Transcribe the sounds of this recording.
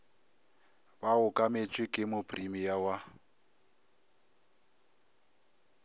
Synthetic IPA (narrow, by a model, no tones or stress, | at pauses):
baʊkʼamet͡ʃʼwɪkʼɪmʊpʰʼrimijawa